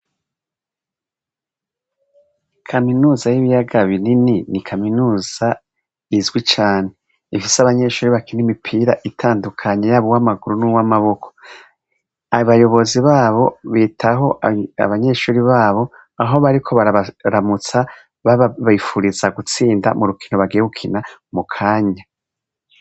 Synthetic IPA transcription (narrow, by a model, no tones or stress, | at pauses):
kʰaminuːzajiβijaɡaβinininikʰaminuːz̥a | izɡwit͡ʃaːne̞ | ifiseaβaɲe̞ʃuːɾiβakinimipʰiːɾaʔitʰaːndukʰaɲejaβowamaɡuɾunuwamaβo̞kʰo̥ | aβajo̞βo̞ziβaːβo̞βitʰaɦo̞a̰βaɲe̞ʃuːɾiβaːβo̞ | aɦo̞βaɾikʰo̞βaɾaβaɾamut͡sa | βaβifuɾizaɡut͡siːnda̰muɾukʰinoβaɡijeɡukʰinamukʰaːɲa